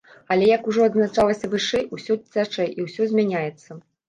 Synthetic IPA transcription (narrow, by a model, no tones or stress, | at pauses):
ɐlʲɛjɐkuʐɔɐd̪znat͡ʂalˠɐsʲɐvɨʂɛjusʲɔt͡sʲːat͡ʂɐjʔiwsʲɔzʲmʲanʲajɛt̪sːɐ